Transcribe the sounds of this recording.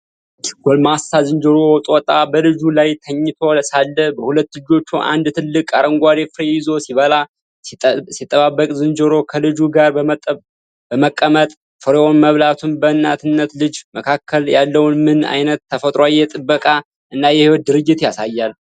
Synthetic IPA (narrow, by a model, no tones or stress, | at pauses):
ɡ̥olmast̪azɨnd͡ʒɨɾo̞wɔt̪ʼwɔt̪ʼːabəlɨd͡ʒulajt̪ʰəɲːɪt̪ʰo̞salːəbəhulət̪ːlɨd͡ʒo̞t͡ʃːuʔa̰nd̪t̪ʰɨlːɨkʼaɾəŋɡʷad̪efɾejɪzo̞siβəla | sit̪ʼːəβabːəkʼzɨnd͡ʒɨɾo̞kʰəlɨd͡ʒuɡaɾ | b̥əməkʼːəmət̪ʼ | fəɾeonməβlat̪ʰunbəɨnːat̪ʰɨnːət̪lɨd͡ʒməkʰakʰːəljalːəwnmɨna̰jnət̪ʰːəfət̪ʼɾoajːɛt̪ʼɨbːəkʼa | ʔɨnːajɛhiwot̪̚d̪ɨɾɨd͡ʒːɪt̪jasajːal